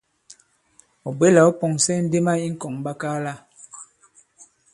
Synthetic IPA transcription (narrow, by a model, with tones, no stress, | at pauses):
ɔ˨be˦la˨ɔ˦pɔ˨ŋsɛ˦n̩˦de˦ma˦i˦ŋ̩˦kɔ˨ŋba˦kaː˦la˦